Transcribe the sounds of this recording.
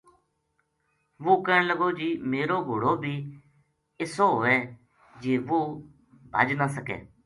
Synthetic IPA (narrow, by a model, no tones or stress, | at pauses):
ʋoːkəɳləɡoːd͡ʒiːmeːɾoːɡʱoːɽoːbʱiː | ɪsoːɦoːeː | d͡ʒeːʋoː | bʱə̰d͡ʒnaːsəkḛː